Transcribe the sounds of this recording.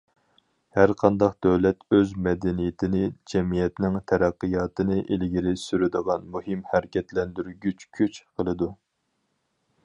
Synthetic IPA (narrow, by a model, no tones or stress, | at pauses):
hæɾqʰɑnd̪ɑqd̪̥ɛwlɛt̪øzmɛd̪ɛnijɪt̪ʰɪnɪd͡ʒɛmijɛt̪nɪŋt̪ʰɛɾæqːɨjɑːt̪ʰɨnɨʔelɡʲiɾɪsyɾɪd̪əʁɑnmuhɨmhæɾɪkʲʰɛt̪lɛnd̪yɾɡʲyt͡ʃkʲʰyt͡ʃqʰəlˠɨd̪u